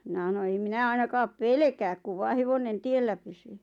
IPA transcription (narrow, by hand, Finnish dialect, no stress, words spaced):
minæ h̆ɑno em minæ ɑinɑkɑːp pelĕkæːk kuʋ ʋɑː heʋonen tielːæ pysyː